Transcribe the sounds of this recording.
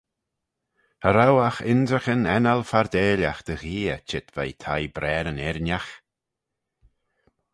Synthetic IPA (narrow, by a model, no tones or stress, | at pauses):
həɾawaxɪndɾəxənɛnalfaɾd̪eːlaxd̪̥əɣiːət͡ʃɪt̪va̰jt̪ʰajbɾɛːɾənɛɾnjax